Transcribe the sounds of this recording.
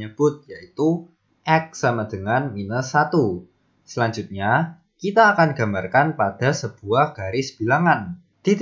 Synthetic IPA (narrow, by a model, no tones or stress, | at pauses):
əb̥ʊt̪̚jait̪u | ʔɛk̚samad̥əŋanminəsat̪u | səlaɲd͡ʒʊt̪̚ɲa | kit̪aːkanɡa̤mbarkanpad̥a̤səb̥uahɡ̥aɾisə̥b̥i̤laŋan | d̪̥i